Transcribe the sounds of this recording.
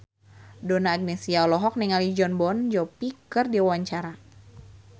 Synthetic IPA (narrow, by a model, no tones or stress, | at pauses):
donaːɡ̚nesiaɔlɔɦɔk̚nɛŋalid͡ʒɔnbɔnd͡ʒɔpikɨrdiawaɲt͡ʃaɾa